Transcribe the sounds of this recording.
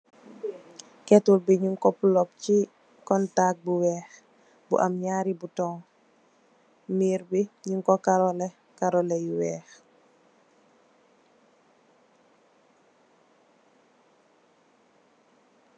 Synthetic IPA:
kɛtulbiɲuŋkɔpulɔp̚ci | kɔntak̚buwɛːx | bṵʔamɲaːɾibutɔŋ | miːɾbiɲuŋkɔkaɾɔlɛ | kaɾɔlɛjuwɛːx

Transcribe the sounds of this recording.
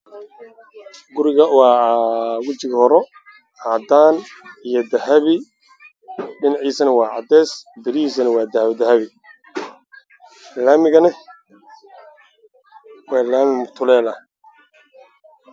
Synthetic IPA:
ɡʊɾɪɣɐwaːwʊt͡ʃɪɣhɔɾɔ | aːd̪aːnijɔd̪ɐɦɐβɪ | ɖɪnɑʕiːsɐnɐwɑːʕɑ̰d̪ɛːsbɪɾiiːs̬ɐnɐwɑːd̪ɐhɐβd̪ɐhɐβɪ | laːmɪɣɐnɪ | wɑːlaːmɪmʊt̪ʰʊlɛːlɐ

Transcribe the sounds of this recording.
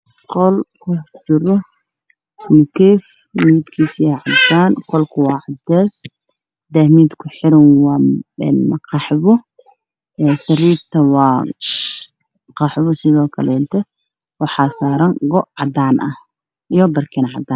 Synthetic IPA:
qɔlkʰʊt͡ʃɪɾɔ | kʰɛːf | wʊud̪kʰiːsjɛʕɑd̪aːnqɔlkʰʊwɑːʕɑd̪ɛːs | d̪ahmiːd̪kʰʊħɪɾɐnwɑːɛːnmɐqʰɑħβɔ | ɛːsɐriːft̪ʰɐwɑː | qɑħβɔsɪðɔːkʰɐlɛːnt̪ʰɛ | wɑħɑːsaːɾɐŋɡɔʔʕɑd̪aːnʔɐ̰h | ijɔbɐrkʰɛːnʕɑ̰d̪aːn

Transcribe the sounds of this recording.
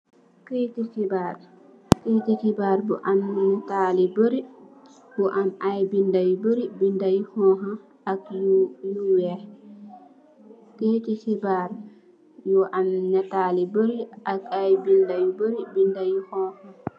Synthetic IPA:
ketikibaɾ | keːtikibaɾbɔ̰ʔannɛtaliboɾi | bɔʔamajbindajboɾibindajihɔɦa | akjuwɛ | keːtikibaɾ | jɔʔamnɛtaliboɾiakajbindajboɾibindajihɔha

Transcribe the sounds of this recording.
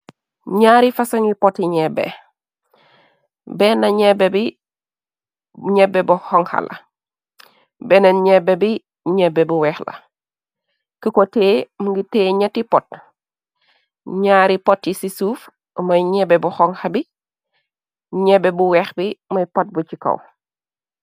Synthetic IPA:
ɲaːɾifɐsɐŋipɔtːiɲɛbɛ̰ | bɛnɐɲɛbɛbi | ɲɛbːɛbuhɔŋhɐ̰lʔɐ̰ | bɛnɐnɲɛbɛbi | ɲɛbːɛbuwɛxlɐ̰ | kəkɔteːmuŋɡitɛːɲɛtːipɔt̚ | ɲaːɾipɔtːisisuːf | mɐjɲɛbɛbuxɔŋhɐbi | ɲɛbːɛbuwɛxbimɐjpɔt̚but͡ʃikɐ̰w

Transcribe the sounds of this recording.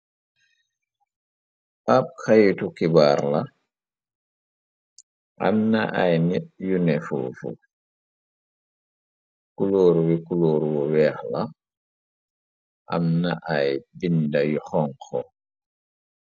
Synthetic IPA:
ʔap̚kajutukibaːɾla | ʔa̰mnaʔajnɛɓjunɛfṵfṵ | kuloːɾwikuloːɾuwɔwɛːxla | ʔa̰mnaʔajbindajuxɔŋkʰɔ

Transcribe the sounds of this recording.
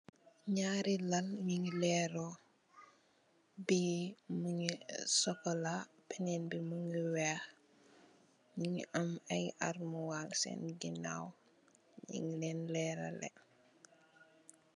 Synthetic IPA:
ɲaːɾilalɲiŋlɛːɾɔ | bimuŋisɔkɔla | pɛnɛnbimuŋiwɛx | ɲiŋiʔɐmɐjʔaɾmuwalsɛ̰nɡina̰w | ɲḭŋlɛnlɛːɾa̰lɛ̰

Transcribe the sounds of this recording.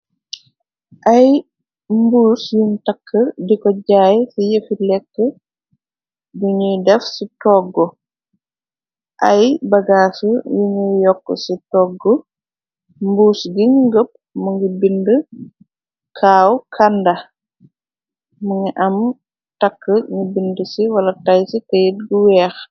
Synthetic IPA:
ʔaj | mbuːsjuntakʰːədikɔɟaːjsijəfilɛkːə | duɲujdɛfsitɔːɡːɔ | ʔajbɐɡaːsujuɲujɔkːɔsitɔːɡːɔ | mbuːsɡiŋŋɡəp̚ | muŋɡibində | kʰaːwkʰandɐ | muŋiʔɐm | takːəɲubindəsiwɐlɐtajsitəjit̚ɡuwɛːx

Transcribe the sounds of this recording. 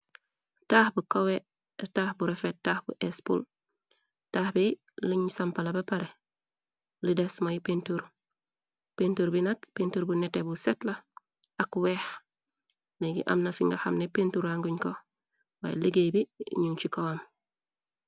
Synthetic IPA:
taːhbukowe | taːhbuɾefet̚tːaːhbuʔespṵl | taːhbi | liɲsampalabapaɾe | lidesmajipentuɾ | pentuɾbinak̚pentuɾbunetebusetla | akweːh | leɡḭʔa̰mnafiŋɡaxamnepentuɾaŋɡuɲko | wa̰jliɡebḭɲuŋt͡ʃikowam

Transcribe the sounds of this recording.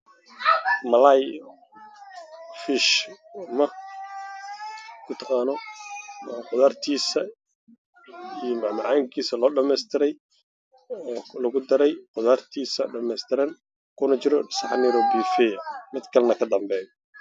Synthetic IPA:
mɐlaj | fɪʃmɐ | kʰʊt̪ʰɑqɑːnɔ | qʊðaːrt̪ʰiːsɐ | ijmbɑʕmɑʕaːŋkʰiːsɐlɔːɖɐmɛst̪ʰɪɾɛj | ɔːlɐɣʊd̪ɐɾɛjqʊðaːrt̪ʰiːsɐɖɐmɛjst̪ʰɪɾɐn | kʰʊnɐt͡ʃɪɾɔsɐħanɛɾɔːbifɛjɐmɪd̪kʰɐlɐnɐkʰɐd̪ɐmbɛːjɔ

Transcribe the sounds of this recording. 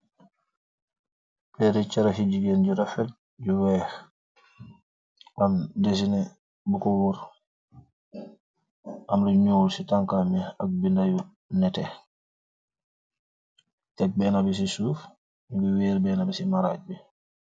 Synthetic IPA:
pɛɾɛt͡ʃaɾaɦid͡ʒiɡɛnd͡ʒuɾafɛl | d͡ʒuwɛh | ʔamdes̬inɛ | bukɔwuɾ | ʔamɾiɲuːlsitaŋkamɛak̚bindaju | nɛtɛ | tɛk̚bɛnabɛs̬isuːf | bɛweːɾbɛnabɛsimaɾaːd͡ʒ̚bɛ

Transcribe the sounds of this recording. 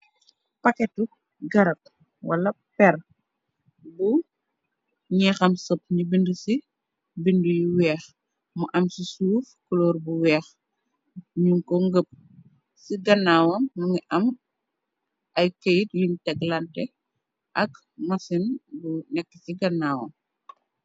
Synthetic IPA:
pakɛtu | ɡɐɾɐt̚ | wɐ̰lɐ | pɛr | bu | ɲɛːxɐmsɔp̚ɲibindusi | bindujiwɛːx | muʔɐmsisuːfkɔlɔːrbuwɛːx | ɲuŋkɔŋɡəp̚ | siɡɐnːaːwɐmːuŋiʔɐm | ʔɐjkɐjitlintɛɡlɐntɛ | ʔɐk | mɐsinbunɛkːəsiɡɐnːaːwɐ̰m

